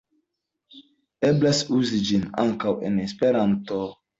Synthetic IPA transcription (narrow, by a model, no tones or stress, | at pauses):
eblasuzid͡ʒina̰ŋkawḛnespeɾanto